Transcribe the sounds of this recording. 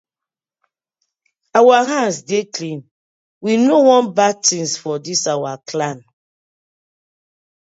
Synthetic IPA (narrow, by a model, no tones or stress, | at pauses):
awaɦãnsdeklĩn | winowɔ̃nbatĩnsfɔdisawaklãn